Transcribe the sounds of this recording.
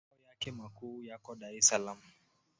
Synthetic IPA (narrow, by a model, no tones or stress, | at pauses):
ɔjakɛmakuːjakɔɗaɾisalam̩